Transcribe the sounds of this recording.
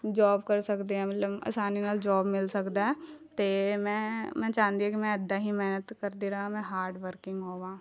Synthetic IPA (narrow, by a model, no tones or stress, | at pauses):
d͡ʒaːbkɐɾsɐkd̪eɛ̃mɐt̪ləbɐ̰saːninald͡ʒɔːbmɪlsɐkd̪aɦɛt̪emɛ̃mɛ̃ːt͡ʃaːnd̪iɛ̃kimɛ̃əd̪aɦimɛːnət̪kəɾd̪iɾaɦamɛ̃ɦaːɾɖʋəɾkɪ̃ŋɡɦoːɡaː